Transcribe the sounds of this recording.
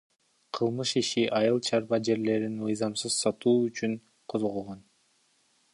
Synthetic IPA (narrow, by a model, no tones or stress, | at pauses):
qʰɯlˠmɯʃiʃiʔɑjɯlˠt͡ʃʰɑɾbɑd͡ʒe̞ɾle̞ɾinmɯjzɑmsɯz̥sɑt̪uːyt͡ʃyn | qʰozʁolˠʁon